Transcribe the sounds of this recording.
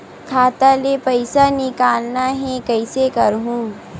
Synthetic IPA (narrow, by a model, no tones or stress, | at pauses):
kʰaːt̪alepɐɪsanɪkaːlnaɦɛ̃kɐɪsekɐɾɦũː